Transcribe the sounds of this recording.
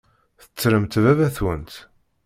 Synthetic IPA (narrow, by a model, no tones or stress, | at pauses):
θə̥t͡sːɾəmt̪vævæθwənt̪